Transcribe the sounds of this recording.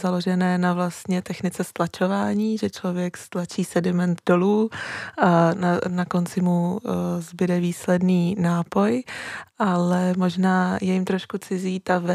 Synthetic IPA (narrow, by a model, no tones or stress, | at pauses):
zalo̞ʒɛnɛːnavlast̪ɲɛt̪ɛxnɪt͡sɛst̪lat͡ʃo̞vaːɲiːʒɛt͡ʃlo̞vjɛkst̪lat͡ʃiːsɛdɪmɛnt̪do̞luː | nanako̞nt͡sɪmuzbɪdɛviːslɛdniːnaːpo̞jʔalɛmo̞ʒnaːjɛjɪmt̪ɾo̞ʃkut͡sɪziːt̪avɛ